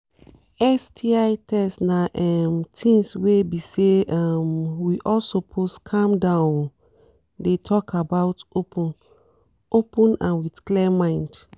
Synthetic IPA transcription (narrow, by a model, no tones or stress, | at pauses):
ɛstʰiaɪtʰɛsnaʔɛmtʰĩŋswebiseamwiʔɔlsopʰoskʰãmdãʊ̃n | detʰɔkabaʊtopʰũn | opũnãnwitklɛmãɪ̃nd